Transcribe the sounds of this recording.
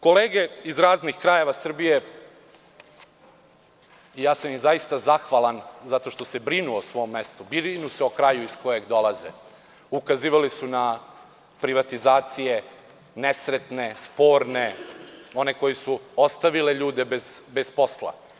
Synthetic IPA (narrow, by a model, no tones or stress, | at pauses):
ko̞leːɡe̞izɾaːznixkɾaje̞ʋasr̩bije̞ | ijaːsamizaist̪azaxʋalˠanzat̪o̞ʃt̪osebɾinuosʋo̞ːmːest̪ubinuseokɾajuisko̞je̞ɡd̪o̞lazḛ | ukaziːʋalisuna | pɾiʋat̪izaːt̪sije | nesɾet̪nespo̞ːɾneo̞neko̞jesuost̪aʋileʎuːd̪e̞bezbespo̞slˠa̰